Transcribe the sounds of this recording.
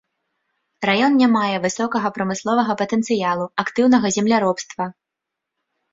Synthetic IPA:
rajɔnnʲamajɛvɨsɔkɐɣɐpɾɐmɨslˠɔvɐɣɐpɐt̪ɛnt̪sɨjalˠuakt̪ɨwnɐɣɐzʲɛmlʲaɾɔpst̪vɐ

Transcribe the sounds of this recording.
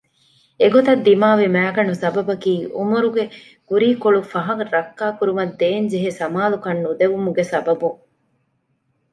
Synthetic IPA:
eɡot̪ɐd̪ːimaːʋimæːɡɐɳusɐbɐbɐkiːʔumuɾuɡe | ɡ̥uɾiːkoɭufɐɦɐŋɾɐkːaːkuɾumɐd̪ːeːnd͡ʒeɦesɐmaːlukɐnːud̪eʋumuɡesɐbɐbuŋ

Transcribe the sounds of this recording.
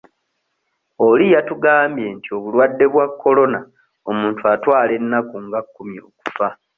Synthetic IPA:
o̞lijatuɡaːmbje̞ntio̞βulwadːe̞βwakːo̞lo̞na | o̞muːntʰuatwaːle̞nːakuŋɡakːumjioku̥fa

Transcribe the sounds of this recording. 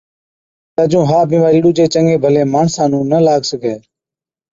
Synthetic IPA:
t̪əd͡ʒũːɦaːbĩːmaːɾiːɗuːd͡ʒeːt͡ʃəŋɡeːbʱəleːmaːɳsãːnũːnəlaːɡsəɡʱeː

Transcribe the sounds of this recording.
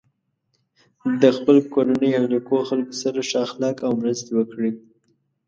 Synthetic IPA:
d̪əxpəlkoɾanəjaɾikoxalkosaɾaʃɑxlɑkawmɾəst̪ewəkɽi

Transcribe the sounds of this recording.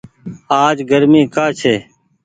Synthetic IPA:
aːd͡ʒɡəɾmiːkaːt͡ʃʰeː

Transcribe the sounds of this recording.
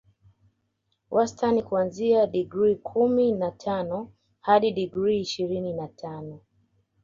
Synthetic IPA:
wʔastanikuanziaɗiɡɾikʰuminatʰanɔ | haɗiɗiɡɾiːʃiɾininatʰanɔ

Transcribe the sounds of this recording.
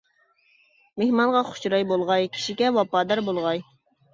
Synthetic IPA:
mehmɑnʁɑχʊ̥ʃɾɑjbolˠʁɑjkʲʰi̥ʃikʲɛwɑpɑːd̪ɑɾbolˠʁɑj

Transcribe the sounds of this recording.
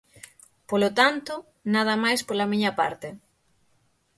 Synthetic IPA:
polot̪ant̪ʊ | nað̞ɐmajspolɐmiɲɐpa̰ɾt̪e

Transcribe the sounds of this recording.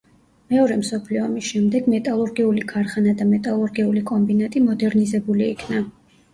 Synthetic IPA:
mɛɔɾɛmsɔpʰliɔmisʃɛmd̪ɛɡmɛt̪ʼalˠuɾɡɛulikʰaɾχanad̪amɛt̪ʼalˠuɾɡɛulikʼɔmbinat̪ʼimɔd̪ɛɾnizɛbuliːkʰna

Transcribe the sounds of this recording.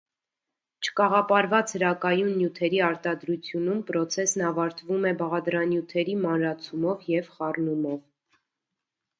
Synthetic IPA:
t͡ʃʰə̥kɑʁɑpɑɾvɑt͡shəɾɑkɑjunːjut̪ʰɛɾiɑɾt̪ɑd̪ɾut͡sʰjunumpɾɔt͡sʰɛsnɑvɑɾt̪vumɛbɑʁɑd̪ɾɑnjut̪ʰɛɾimɑnɾɑt͡sʰumɔvjɛvχɑrnumɔv

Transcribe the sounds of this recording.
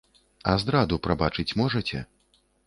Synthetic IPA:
azd̪ɾad̪upɾabat͡ʂɨt͡sʲmɔʐɐt͡sʲɛ̰

